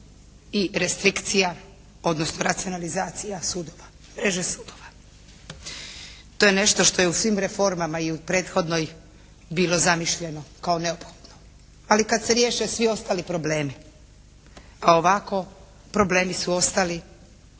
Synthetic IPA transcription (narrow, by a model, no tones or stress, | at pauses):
iɾe̞st̪ɾikt̪sija | o̞d̪nosnoɾat̪sijo̞nalizaːt̪sijasuːd̪oʋa | mɾe̞ʒesuːd̪o̞ʋa | t̪o̞jene̞ʃt̪o̞ʃt̪o̞jeusʋimɾe̞fo̞ɾmamaiupɾe̞ːt̪xo̞d̪no̞j | biːlˠo̞zamiʃʎe̞no̞kao̞ne̞opxo̥d̪̥no | alikad̪se̞ɾje̞ːʃesʋio̞st̪alipɾo̞ble̞ːmi | ao̞ʋako̞ | pɾo̞ble̞ːmisuo̞st̪ali